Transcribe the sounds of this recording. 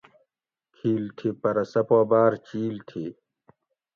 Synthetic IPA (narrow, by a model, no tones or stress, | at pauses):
kʰiːlt̪ʰipɐɾɐsɐpoːbaːɾt͡ɕiːlt̪ʰi